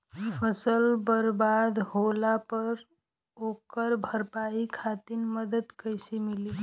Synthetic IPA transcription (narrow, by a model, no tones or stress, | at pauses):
pʰəsəlbəɾbad̪ɦoːlapəɾ | oːkəɾbʱəɾpaːikʰaːt̪inməd̪əd̪kəɪsemɪli